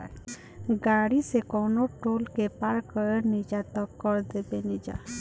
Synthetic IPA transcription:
ɡaːɽisekɔːnoʈoːlkepaɾkəɾenid͡ʒat̪əkːəɾd̪ebenid͡ʒa̰

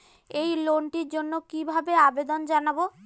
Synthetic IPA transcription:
ejloɳʈiɾd͡ʑonːokibʱabeabed̪ond͡ʑanabo

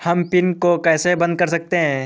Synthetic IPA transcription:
hɐmpɪnkokɛːsebɐ̃nd̪̚kɐɾsɐk̚t̪eɦɛ̃ː

